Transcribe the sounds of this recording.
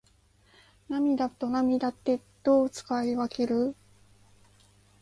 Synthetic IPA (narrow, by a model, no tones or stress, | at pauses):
namʲid̪at̪ːo̞namʲid̪at̪ːe̞d̪̥o̞ːt͡sɨ̥kaiβake̞ɾɯ̟